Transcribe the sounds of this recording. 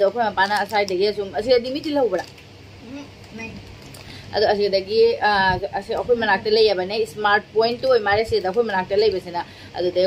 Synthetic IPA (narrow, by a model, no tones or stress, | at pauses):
ɐd̪uɐkʰojmɐpanɐːsajdɐɡiɐsumɐsidɐdimitilɐwbɐɾa | ɐ̰duɐs̬iɡɐdɐɡi | ɐsiɡɐkʰojmɐnak̚tɐlɐjːabɐnesmaɾt̚pojntːuojmaɾesiɡɐdɐːkʰojmɐnak̚tɐlɐjbɐsenɐ | ɐ̰dudɐ